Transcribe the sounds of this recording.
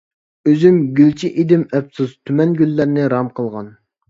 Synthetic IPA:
øzymɡʲylt͡ʃʰiʔed̪ɪmɛpsuzt̪ʰymɛnɡʲylːæɾnɪɾɑmqʰəlˠʁɑn

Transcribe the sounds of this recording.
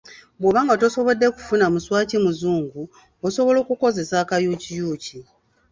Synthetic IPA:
bwoβaːŋɡato̞so̞βo̞dːe̞ku̥funamuswaːcimuzuːŋɡu | oso̞βo̞lo̞ːkuko̞ze̞saːkajucijuːci

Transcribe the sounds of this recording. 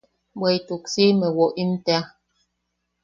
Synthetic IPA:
bwejtuksimɛwɔʔimtea

